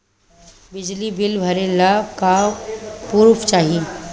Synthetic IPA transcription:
bɪd͡ʒlibɪlbʱɐɾelaka | puɾpʰt͡ʃaːɦi

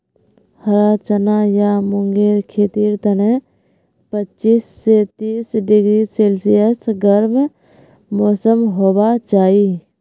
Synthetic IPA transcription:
həɾaːt͡ʃənajamʊŋɡeːɾkʰeːt̪iɾt̪əne | pətːt͡ʃiːsːet̪iːsɖɪɡɾiseːlsijəsɡəɾm | moːsəmɦoːbat͡ʃaːi

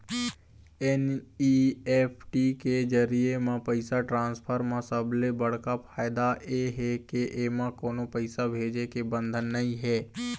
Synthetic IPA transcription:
ɛniepʰʈiked͡ʒəɾiemãpəɪsaʈɾãːnspʰəɾmãsəblebəɽ̤kapʰaːɪd̪aeɦɛkeʔeːmãkoːnopəɪsabʱeːd͡ʒekebə̃nd̪ʱənːəɦĩɦɛː

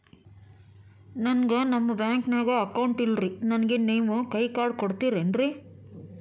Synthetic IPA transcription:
nɐnɡɐnɐmːɐbjaːŋknaːɡoɐkɐwuɳʈilɾinɐnɐɡeniːʋukɐjkaːɖkoɽt̪iːɾenɾi

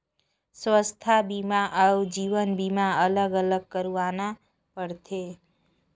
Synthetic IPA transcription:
sʋəst̪ʰabimãʔəwd͡ʒiʋənbimaələɡələɡ̚kəɾʋana | pəɽt̪ʰe

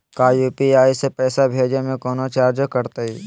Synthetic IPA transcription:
kaːjuːpiaːisepɛːsabʱeːd͡ʒemẽkɔːnot͡ʃaːɾd͡ʒkəɾt̪aiː

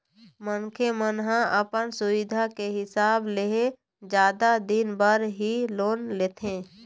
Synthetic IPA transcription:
mənkʰemənɦãʔəpənsʊʋɪd̪ʱakeɦɪsaːbleɦe | d͡ʒjaːd̪ad̪ɪnbəɾɦiloːnleːt̪ʰẽː

